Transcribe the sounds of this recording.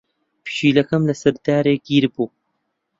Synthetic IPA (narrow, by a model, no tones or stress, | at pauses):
pɨ̥ʃiːlɐkɐmlɐsɐɾd̪aːɾeːɡiːɾbuː